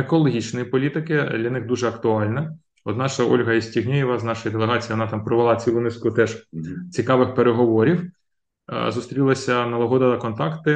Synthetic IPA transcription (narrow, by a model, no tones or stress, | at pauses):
ekɔlˠɔɦʲit͡ʃnɔjipɔlʲit̪ɪkɪd̪lʲɐnɪxd̪uʒɛɐkt̪ʊɑlʲnɐ | ɔd̪nɑʃɐɔ̰lʲɦɐisʲtʲiɦnʲejɪʋɐznɑʃɔjid̪elˠeɦɑt͡sʲijiʋɔnɑt̪ɑmpɾɔʋelˠɑt͡sʲilˠʊnɪskʊt̪ɛʒt͡sʲikɑʋɪxpeɾeɦɔʋɔɾʲiw | zʊst̪ɾʲilˠɐsʲɐnɐlˠɐɦɔd̪ɐd̪ɐkɔnt̪ɑkt̪ɪ